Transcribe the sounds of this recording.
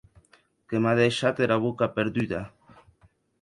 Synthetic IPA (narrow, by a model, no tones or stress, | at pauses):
kemaðeʃat̪eɾaβokapeɾðyða